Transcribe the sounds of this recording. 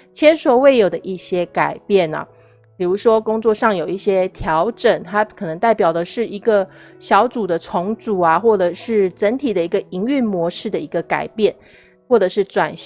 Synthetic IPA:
t͡ɕʰjɛ˥nswɔ˧˥we˥˩ɪjo˨˩ʊd̪ə˦ʔi˥˩ɕjɛ˥ka˨˩ɪpjɛ˥˩nɐ̰˨˩ | pi˨˩ɻu˧˥ʂwɔ˥kʊ˥ŋt͡swɔ˥˧ʂɑ˥˩ŋjo˨˩ʊi˥˩ɕjɛ˥t̪ʰjɑ˧˥ʊʈ͡ʂə˨˩˦ŋt̪ʰa˥kʰɤ˨˩nɤ˧˥ŋt̪a˥˩ɪpjɑ˨˩ʊd̪ə˦ʂɻ̩˥˩i˧˥ɡə˧ɕjɑ˧˥ʊt͡su˨˩d̪ə˦t͡sʰʊ˧˥ŋt͡su˨˩ɐ˦xwɔ˥˩ʈ͡ʂə˨˩ʂɻ̩˥˩ʈ͡ʂə˧˥nt̪ʰi˨˩d̪ə˩i˧˥ɡə˧ʔi˧˥ŋy˥˩nmwɔ˧˥ʂɻ̩˥˩d̪ə˩i˧˥ɡə˧ka̰˨˩ɪpjɛ˥˩n | xwɔ˥˩ʈ͡ʂɤ˨˩ʂɻ̩˥˩t͡swa˨˩nɕ

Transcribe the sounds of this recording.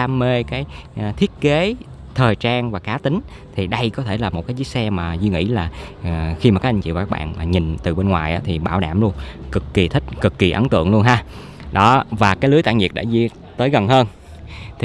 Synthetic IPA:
aː˧mːe˧kaː˨˦jt̪ʰi˦˥ət̚ke˨˦ | t̪ʰəː˨˩jt͡ɕaː˧ŋvaː˨˩kaː˨˦t̪ï˨˦ŋ̟ | t̪ʰi˨˩ɗə˧jkɔ˨˦t̪ʰe˧˩laː˨˩mo˨˩kaː˨˦zɨ˨˦ksɛ˧maː˨˩zwi˧ŋḭ˧˥laː˨˩˨xi˧ma˨˩kaː˦˥ʔ̚a˧ŋt͡ɕḭ˧˨vaː˨˩kaː˦˥kɓa̰ː˧˨nmaː˨˩ɲi˨˩nt̪ɨ˨˩ɓe˧nŋwaː˨˩jʔaː˨˦t̪ʰi˨˩ɓaː˧˩wɗa̰ː˧˩mlu˧ənkɨ˨˩kːi˨˩t̪ʰï˦˥k̟̚kɨ˨˩kːi˨˩ʔə˨˦nt̪ɨ̰˧˨əŋlu˧ənɦaː˧ | ɗɔ˨˦vaː˨˩kaː˨˦jlɨ˨˦əjt̪a̰ː˧˨ŋɲi˨˩əɗa̰ː˧˥zi˧ | t̪əː˨˦jɣə˨˩nɦəː˧n | t̪ʰi˩

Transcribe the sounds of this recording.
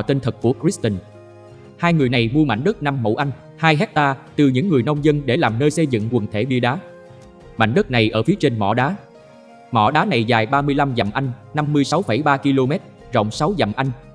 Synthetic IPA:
t̪i˧nt̪ʰɨ˨˩k̚kːu˧˩əkɾi˦˥st̪i˧˩n | haː˧jŋɨ˨˩əjna˨˩jmu˧əma̰˧˩ŋ̟ɗə˦˥t̚na˧mːo̰˧˩wʔa˧jŋ̟ | haː˧jɦɛ˦˥t̚t̪aː˧t̪ɨ˨˩ɲɨ̰˧˥ŋːɨ˨˩əjnə˧wŋ͡mzə˧nɗe˧˩laː˨˩mnəː˧jsə˧jzɨ̰˧˨ŋkwə˨˩nt̪ʰe˧˩ɓi˧əɗaː˨˦ | ma̰˧˨jŋ̟ɗə˦˥t̚na˨˩jʔəː˧˩fi˨˦t͡ɕe˧nmɔ̰˧˨ɗaː˨˦ | mɔ̰˧˨ɗaː˨˦na˨˩jzaː˨˩jɓaː˧mɨ˧əjla˧mza̰˨˩mʔa˧jŋ̟na˧mːɨ˧əjsa˨˦wfə˧˩jɓaː˧ki˧lo˧mɛ˦˥t̚ | zə̰˧˨wŋ͡msa˨˦wza̰˨˩mʔa˧jŋ̟

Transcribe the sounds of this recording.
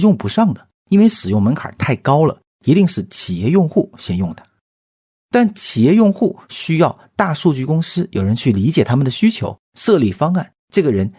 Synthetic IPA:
jʊ˥˩ŋpu˧˥ʂɑ˥˩ŋd̪ə˩ | i˥nwe˥˧ɪʂɻ̩˨˩jʊ˥˩ŋmə˧˥nkʰɑ̰˨˩˦t̪ʰa˥˩ɪkɑ˥ʊlə̰˨ | i˧˥t̪i˥˧ŋʂɻ̩˥˩t͡ɕʰi˨˩jɛ˥˧jʊ˥˧ŋxu˥˩ɕjɛ˥njʊ˥˩ŋd̪ə˩ | t̪a˥˩nt͡ɕʰi˨˩jɛ˥˧jʊ˥˧ŋxu˥˩ɕy˥jɑ˥˧ʊt̪a˥˧ʂu˥˧t͡ɕy˥˩kʊ˥ŋsɹ̩˥jo˨˩ʊɻə˧˥nt͡ɕʰy˥˩li˧˥t͡ɕjɛ˨˩t̪ʰa˥mə˨nd̪ə˩ɕy˥t͡ɕʰjo˧˥ʊʂɤ˥˧li˥˩fɑ˥ŋa˥˩n | ʈ͡ʂɤ˥˩ɡə˩ɻə˧˥n

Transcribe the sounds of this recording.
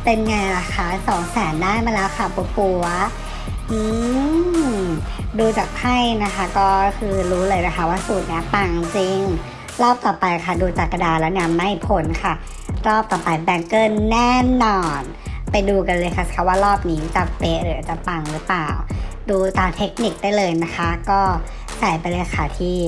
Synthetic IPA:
pe˧nŋaː˧a˨˩kʰa˥˩˦sɔː˩˦ŋsɛː˨˩˦ndaː˥˩jmaː˧lɛː˦˥wkʰa˥˩pu˧pu˧ɐ | ʔɯː˧ | duː˧t͡ɕaː˨˩k̚t̪ʰa˥˩jna˦˥kʰa˦˥˩kɔː˥˩kʰɯː˧ɾuː˦˥lɤː˧jlɤː˧jkʰa˥˩waː˥˩suː˨˩t̪̚ni˦˥ɐpa˧ŋt͡ɕi˧ŋ | ɾɔː˥˩p̚t̪ɔː˨˩pa˧jkʰa˥˩duː˧t͡ɕaː˨˩kːa˧daː˧lɛː˦˥wni˥˩ɐma˥˩jpʰo˨˩˦nkʰa˥˩ | ɾɔː˥˩p̚t̪ɔː˨˩pa˧jbɛ˧ŋkɤː˥˩˨nːɛː˥˩nɔː˧n | pa˧jduː˧ka˧nlɤː˧jkʰa˥˩skʰa˦˥˩waː˥˩ɾɔː˥˩p̚niː˦˥t͡ɕa˨˩pe˦ʔɾɯ˩˦˨t͡ɕa˨˩pa˧ŋɾɯ˦˥plaː˨˩wduː˧t̪aː˧t̪ʰe˦˥k̚ni˨˩k̚da˥˩jlɤː˧jna˦˥kʰa˦˥kɔː˥˩ | t͡ɕa˨˩jpa˧jlɤː˧jkʰa˥˩t̪ʰiː˥˩

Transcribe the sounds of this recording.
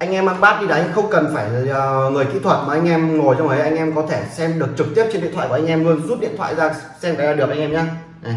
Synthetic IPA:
ʔa˧jŋ̟ʔɛ˧mːa̰˧˥ŋɓaː˦˥t̚ɗi˧ɗa˨˦˧xə˧wŋ͡mkə˨˩nfaː˧˩jːŋɨ˨˩əjkḭ˧˥t̪ʰwə˨˩t̚maː˨˩ʔa˧jŋ̟ʔɛ˧mŋo˨˩jt͡ɕa˧wŋ͡mʔʰə˨˦jʔa˧ŋʔɛ˧mkɔ˨˦t̪ʰe˧˩sɛ˧mɗɨ˨˩ək̚t͡ɕɨ˨˩k̚t̪i˦˥əp̚t͡ɕe˧nɗḭ˧˨t̪ʰa̰˧˨kːʔa˧jŋ̟ʔɛ˧mlu˧ənzu˦˥t̚ɗḭ˧ət̪ʰwa̰ː˧˨jzaː˧ | sɛ˧mkaː˨˦jlaː˨˩ɗk̚ʔa˧jŋ̟ʔɛ˧mɲaː˧˨

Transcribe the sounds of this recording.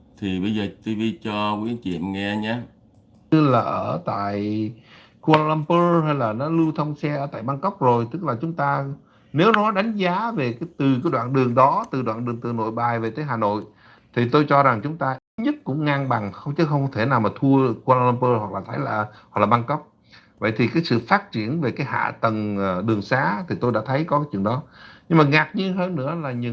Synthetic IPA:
t̪ʰi˨˩ɓə˧jzəː˨˩t̪u˧jvi˧t͡ɕɔ˧kwi˨˦ənt͡ɕḭ˧˨əmŋɛ˧ɲaː˧˦ | t̪ɨ˦˧˥laː˨˩ʔəː˧˩t̪a̰ː˧˨j | ku˧lla˧mpəː˧ha˧jlaː˨˩nɔ˨˦lɨ˧t̪ʰə˧wŋ͡msɛ˧ʔəː˧˩t̪a̰ː˧˨jɓaː˧nkə˦˥wk͡p̚zo˨˩jt̪ɨ˦˥k̚laː˨˩t͡ɕʊ˨˦ŋ͡mt̪aː˧ | ne˨˦wnɔ˨˦ɗa˨˦jŋ̟zaː˨˦ve˨˩kaː˨˦t̪ɨ˨˩kaː˨˦jɗwaː˧˨nɗɨ˨˩əŋɗɔ˨˦t̪ɨ˨˩ɗwaː˧˨nɗɨ˨˩əŋt̪ɨ˨˩no̰˧˨jɓaː˨˩jve˨˩t̪əː˨˦jɦaː˨˩no̰˧˨j | t̪ʰi˨˩t̪o˧jt͡ɕɔ˧za˨˩ŋt͡ɕʊ˨˦ŋ͡mt̪aː˧ʔi˦˥t̚ɲə˦˥t̚kʊ̰˧˥ŋ͡mŋaː˧ŋɓa˨˩ŋxə˧wŋ͡mt͡ɕɨ˨˦xə˧wŋ͡mkt̪ʰe˧˩naː˨˩wmaː˨˩t̪ʰu˧əkwa˧la˧la˧mpəː˧hwa˨˩k̚laː˨˩t̪ʰə˨˦jlaː˨˩ɦw̚laː˨˩ɓa˧nkə˦˥wk͡p̚ | və̰˧˨jt̪ʰi˨˩kaː˨˦jsɨ̰˧˨faː˦˥t̚t͡ɕi˧˩ənve˨˩kaː˨˦jha̰ː˧˨t̪ə˨˩ŋː˨˩ɗɨ˨˩əŋsaː˨˦t̪ʰi˨˩t̪o˧jɗa̰ː˧˥t̪ʰə˨˦jkɔ˨˦kaː˦t͡ɕwḭ˧˨ənɗɔ˨˦ɲɨ˧ŋmaː˨˩ŋa˨˩k̚ɲɨ˧ɦəː˧nːɨ̰˧˥əlaː˨˩ɲɨ̰˧

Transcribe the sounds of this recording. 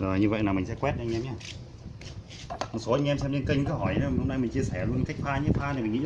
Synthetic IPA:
zo˨˩jɲɨ˧və̰˧˨jnaː˨˩mï˨˩ŋ̟sɛ̰˧˥kwɛ˦˥t̚ʔa˧ŋ̟ʔɛ˧mɲaː˧˩ | mo˨˩t̚so˨˦ʔa˧ŋ̟ɛ˧msɛ˧mne˧nki˧ŋ̟kaː˨˦hɔ˧˩ja˨˦˨ho˧mna˧jmï˨˩ŋ̟t͡ɕi˧əsɛ˧˩lu˧ənka˦˥jk̟̚faː˧ɲɨ˧˦faː˧n˨˩mï˨˩ŋḭ˧˥

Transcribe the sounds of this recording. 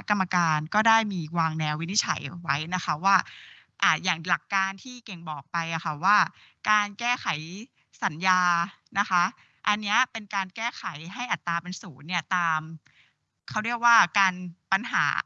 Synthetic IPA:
kːa˧mːa˧kaː˧nkɔː˥˩daː˥˩jmiː˧waː˧ŋnɛː˧wːi˦˥ni˦˥t͡ɕʰa̰˩˦jwa˦˥jna˦˥xʰa˦˥waː˥˩ | ʔaː˨˩jaː˨˩ŋla˨˩kːaː˧nt̪ʰiː˥˩ke˨˩ŋbɔː˨˩k̚pa˧jʔa˨˩xʰa˥˩waː˥˩ | kaː˧nkɛː˥˩xʰa˩˦j | sa˨˩˦njaː˧ | na˦˥xa˦˥ | ʔa˧nːi˦˥ɐpe˧nkaː˧nkɛː˥˩xʰa˩˦jɦa˥˩jʔa˨˩t̪ːaː˧pe˧nsuː˩˦nːi˥˩ɐt̪aː˧m | kʰa˦˥wɾi˥˩ək̚waː˥˩kaː˧npa˧nɦa̰ː˩˦

